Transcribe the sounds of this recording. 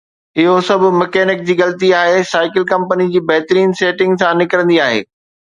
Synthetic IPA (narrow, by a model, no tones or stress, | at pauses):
ɪɦosɐbʱʊ̆mɐkeːnɪk̚d͡ʑiːɣɐlət̪iaːɦesaːɪkɪlkɐ̃mpənid͡ʑiːbɐɦt̪ɾiːnseːʈɪ̃ŋɡsãnɪkəɾə̃nd̪iaːɦḛː